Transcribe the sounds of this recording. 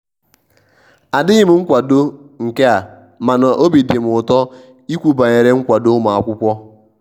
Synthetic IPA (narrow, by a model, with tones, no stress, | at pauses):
a˨dɪ˦ɣɪ˦m̩˨ŋ̩˦kʷa˨do˦ŋ̩˨ke˦a˨ | ma˨na˨ʔo˦bi˨dɪ˨m˨ʊ˨tɔ˦ | i˦kʷu˨ba˨ɲe˨ɾe˦ŋ̩˦kʷa˨do˦ma˨a˦˨kʷʊ˦kʷɔ˦